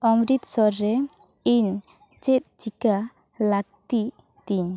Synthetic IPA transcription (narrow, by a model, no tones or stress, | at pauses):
ɔmɾit̪sɔɾːɛ | iɲ | t͡ʃet̪̚t͡ʃika | laɡ̚t̪i | t̪iɲ